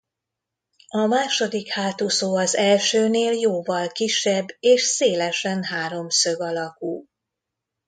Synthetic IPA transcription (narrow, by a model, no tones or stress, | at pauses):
ɒmaːʃo̞d̪ikhaːt̪usoːɒzɛlʃøːneːljoːvɒlkiʃːɛbːeːʃseːlɛʃɛnɦaːɾo̞msø̞ɡɒlɒkuː